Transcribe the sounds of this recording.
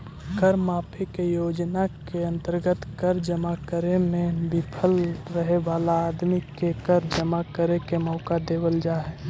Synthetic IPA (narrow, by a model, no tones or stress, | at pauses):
kəɾmaːpʰikejoːd͡ʒnakeə̃nt̪əɾɡət̪kəɾd͡ʒəmakəɾemẽbipʰəlɾəɦebaːlaːd̪mikekəɾd͡ʒəmakəɾekemɔːkad̪eːwəld͡ʒaːɦe